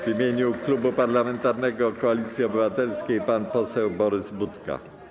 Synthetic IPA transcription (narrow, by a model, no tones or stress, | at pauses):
vimʲjeɲuklubupaɾlamɛnt̪aɾnɛɡɔkɔalʲit̪sʲjiɔbɘvat̪ɛlskʲejpanpɔsɛwbɔɾɘzbut̪ka̰